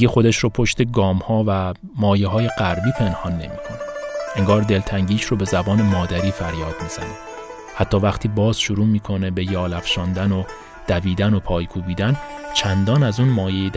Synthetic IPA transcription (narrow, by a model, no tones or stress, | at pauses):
ɡexo̞d̪eʃɾopʰo̞ʃt̪e̞ɡɒːmhɒːvæ | mɒːjeɦɒːje̞ɡæɾbiːpʰe̞nhɒnːe̞mḭːkʰonee̞ŋɡɒːɾd̪e̞lt̪ʰæŋɟiːʃrobe̞zæbɒːne̞mɒːd̪æɾiːfæɾjɒːd̪̥miːz̥æne | hæt̪ʰːɒːvæxt̪ʰiːbɒːz̥ʃuɾuːmiːkʰo̞ne̞be̞jɒːlæfʃɒːnd̪æno | d̪̥æviːd̪æno̞pʰɒːjkʰuːbiːd̪ænt͡ʃʰænd̪ɒːnæzuːnmɒːjejed̪